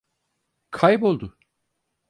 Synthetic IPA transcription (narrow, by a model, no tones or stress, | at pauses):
kʰajbo̞lˠd̪ʊ